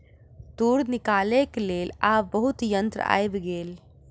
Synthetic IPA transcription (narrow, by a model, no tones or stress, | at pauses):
t̪uːɾnɪkaːlekleːlaːbəɦut̪jənt̪ɾə̰a̰ːjbɡeːl